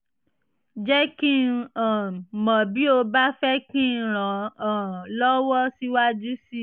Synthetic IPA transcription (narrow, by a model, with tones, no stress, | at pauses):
d͡ʒɛ˦kĩ˦˧ã˨mã˨bi˨˦o˧ba˦fɛ˦kĩ˦˧ɾ̃ã˨ãː˨lɔ˦wɔ˦si˦wa˦d͡ʒu˦si˦